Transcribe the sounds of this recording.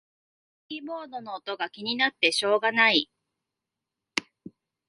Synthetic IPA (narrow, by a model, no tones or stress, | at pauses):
iːmo̞ːd̪o̞no̞ːt̪o̞ɡakʲiɲ̟inat̪ːe̞ɕo̞ːɡanai